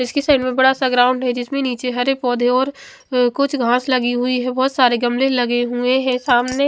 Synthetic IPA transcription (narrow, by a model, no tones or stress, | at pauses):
ɪskesaːɪɳɖmẽbɐɽasaɡɾaːʊ̃ɳɖɦɛd͡ʒɪsmẽniːt͡ʃeɦɐɾepɔːd̪ʱeɔːɾ | kʊt͡ʃʰɡʱãːslɐɡiɦʊiɦɛbɔːt̪saːɾeɡɐmlelɐɡeɦueɦɛ̃saːmne